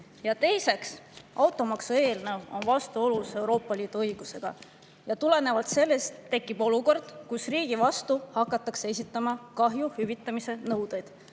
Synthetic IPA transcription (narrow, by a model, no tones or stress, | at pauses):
jɑt̪e̞jse̞ksʔɑwt̪ˑo̞mɑksue̞ːlne̞wo̞̰nvɑst̪uo̞luse̞wɾo̞ːpːˑɑliːd̪̥uɤjɡ̥use̞ɡ̥ɑ̰ | jɑt̪ule̞ne̞vɑlt̪se̞lːe̞st̪ːe̞kːˑib̥o̞luko̞rd̪̥kusriːɡ̥ivɑst̪uhɑkːˑɑt̪ːˑɑksee̞s̬ʲit̪ːˑɑmɑkɑɦjuhyvit̪ːˑɑmise̞nɤwd̪̥ejd̪̥